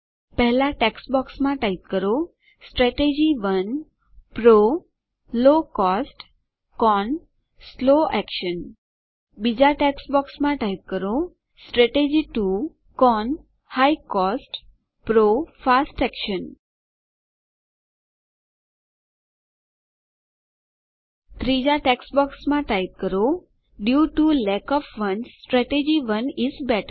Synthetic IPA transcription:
pɛɦlãʈɛksbɔksmãʈait̪̚kəɾo | sʈɾɛʈed͡ʒiʋən | pɾo | lokɔsʈ | kɔn | sloʔɛkʃən | bid͡ʒaʈɛksbɔksmãʈait̪̚kəɾo | sʈɾɛʈed͡ʒiʈu | kɔn | hajkɔsʈ | pɾofasʈɛkʃən | t̪ɾid͡ʒaʈeksbɔksmãʈaip̚kəɾo | ɖjuʈulɛkɔfʰʋənsʈɾɛʈed͡ʒiʋənɪzbɛʈəɾ

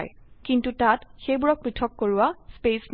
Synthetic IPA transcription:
jkintutatxejbuɹɔk̚pɹitʰɔkːoɹʊwaspesn

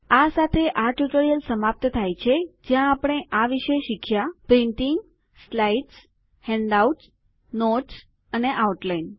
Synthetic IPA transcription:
asat̪ʰeʔaʈjuʈoɾijəlsəmap̚t̪t̪ʰajt͡ʃʰed͡ʒjãːpəɽ̃ɳ̃eʔaʋiʃeʃikʰjapɾɪɳʈiŋɡ | slaiʈs | hɛ̃ɳɖauʈ | noʈs | əneʔawʈlain

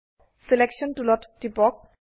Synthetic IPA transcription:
selekʃɔnʈulɔʈʈipɔk̚

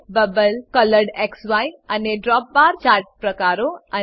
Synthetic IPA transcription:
bəbəlkələɾɖeksʋajəneɖɾɔp̚baɾt͡ʃaɾʈ̚pɾəkaɾoə

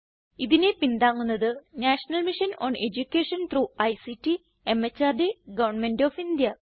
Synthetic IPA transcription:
iðinepind̪aːŋːunːɐðɨnaːʂɐnɐlmiʂɐno̰ːne̞d͡ʑukʲːeːʂɐnt̪ruːɐjsitːi | emːet͡ɕːaːrd̪eɡɐʋɐrnmendoːfind̪jɐ

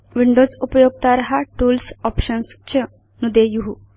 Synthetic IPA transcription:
ʋiɳɖod͡zupəjoɡ̚t̪aɾɦaʈuːlsɔpɕənst͡ɕə | nud̪ejuɦu

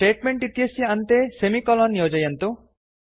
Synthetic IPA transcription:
ʈeːʈmeɳʈit̪jɐsjɐɐnt̪esemikɔlɔnjoːd͡ʒɐjɐnt̪u

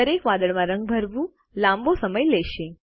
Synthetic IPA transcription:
əɾekʋad̪əɭmãɾə̃ŋɡ̚bʱəɾʋũ | lãmbʱosəməjlɛʃe

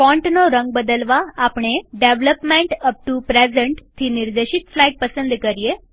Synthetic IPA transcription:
kɔɳʈnɔɾəŋɡ̚bəd̪əlʋaːpɳeɖeʋləpmeɳʈəp̚ʈupɾezəɳʈt̪ʰːiːniɾd̪eɕit̪flajʈ̚pəsənd̪kəɾije

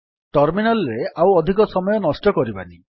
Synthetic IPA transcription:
ʈɔɾminalɾeawɔd̪ʱik̬ɔsɔmɔjɔnɔsʈɔkɔɾiba̰ni

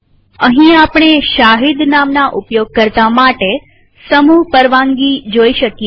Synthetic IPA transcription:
əɦĩapɳ̃eʃaɦid̪namnaʔʊpjoɡ̚kəɾt̪amaʈe | səmuɦpəɾʋãŋɡid͡ʒoiʃəkje

